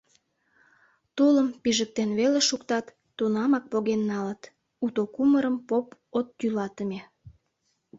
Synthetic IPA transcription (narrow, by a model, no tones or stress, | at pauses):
t̪uləmpiʒək̚t̪enβeleʃukt̪ɑt̪ːunɑmɑk̚poɣenːɑlət̪ | ut̪okuməɾəmpopot̪ːylɑt̪əme